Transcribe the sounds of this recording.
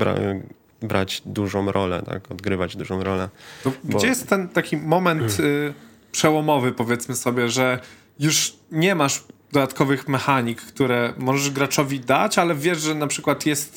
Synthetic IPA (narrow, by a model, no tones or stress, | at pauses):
ba̰ | bɾa̰d͡ʑd̪uʐɔ̃w̃ɾʔɔlɛ̰t̪a̰kɔd̪ɡɾɘvad͡ʑd̪uʐɔ̃w̃ɾɔlɛt̪ɔɡbd͡ʑɛjɛst̪ːɛnt̪akʲimɔmɛnt̪ | pʂɛwɔmɔvɘpɔvʲjɛt̪smɘsɔbʲjɛʐɛ | juʂ | ɲɛmaʂd̪ɔd̪at̪kɔvɘxmɛxaɲikːt̪uɾɛmɔʐɛʐɡɾat͡ʂɔvʲid̪at͡ɕalɛvʲjɛʐʐɛnapʂɘkwat̪jɛst̪